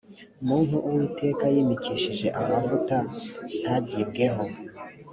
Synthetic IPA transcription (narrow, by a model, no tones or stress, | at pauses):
umuːn̥huʔuwiːte̞ːkajiːmiciʃiʒe̞ʔaβavutan̥haɟibɡe̞ɦo̞